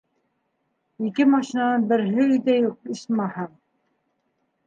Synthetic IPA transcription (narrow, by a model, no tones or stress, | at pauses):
ikɘmɑʃinɑnɑnbɘ̆ɾɦɘid̪æjuq̚iʃmɑhɑɴ